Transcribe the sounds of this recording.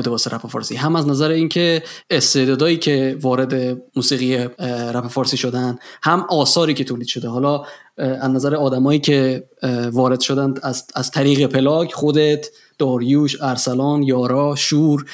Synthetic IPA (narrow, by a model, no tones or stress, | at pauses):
d̪ebɒːseɾʔæpefɒːɾsḭɦæmæznæzæɾeiːncʲʰe̞est̪eːd̪ɒːd̪ɒːiːcʰe̞vɒːɾe̞d̪e̞muːsiːɣijeɾæpefɒːɾsiːʃo̞d̪ænd̪hæmʔɒːsɒːɾiːcʰe̞t̪ʰoːliːd̪ʃo̞d̪eɦɒːlɒːæznæzæɾeɒːd̪æmɒːjiːcʰe̞ | vɒːɾe̞d̪ʃo̞d̪ænd̪æzæzt̪ʰæɾiːɣe̞pʰe̞lɒːkʰχo̞d̪et̪ʰ | d̪̥ɒːɾjuːʃæɾsælɒːnjɒːɾɒːʃuːɾ